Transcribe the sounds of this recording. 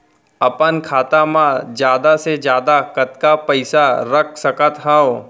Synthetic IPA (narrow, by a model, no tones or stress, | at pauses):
ɐpənkʰaːt̪amãd͡ʒjaːd̪ased͡ʒjaːd̪akɐt̪kapɐɪsaɾɐkʰsɐkət̪ɦɛ̃o